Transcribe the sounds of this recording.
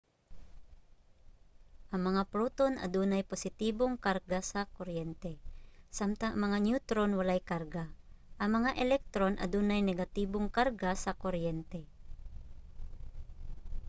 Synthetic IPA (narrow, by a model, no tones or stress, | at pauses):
ʔɐŋmɐŋapɾuːt̪onʔɐ̰d̪uːnajposɪt̪iːboŋkaɾɡasɐkoɾjɛnt̪ɛsamt̪aʔɐŋmɐŋanjut̪ɾonwɐlajkaɾɡaʔɐŋmɐŋaʔɛlɛk̚t̪ɾonʔɐ̰d̪uːnajnɛɡat̪iːboŋkaɾɡasɐkoɾjɛnt̪ɛ